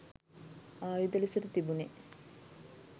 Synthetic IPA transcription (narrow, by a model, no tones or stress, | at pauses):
aːjud̪ɐlisɐɾut̪ibune